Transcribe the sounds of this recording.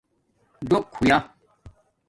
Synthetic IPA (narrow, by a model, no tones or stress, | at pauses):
doʔkʰuja